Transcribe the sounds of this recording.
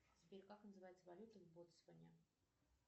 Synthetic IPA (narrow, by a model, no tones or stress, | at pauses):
t͡sʲɪpʲeɾʲkaknəzɨvajɪt̪səvalʲut̪əvʲbot̪svənʲə